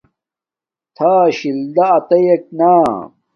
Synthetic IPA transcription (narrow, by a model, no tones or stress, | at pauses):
t̪ʰaːɕild̪ɐːt̪ɐjek̚naː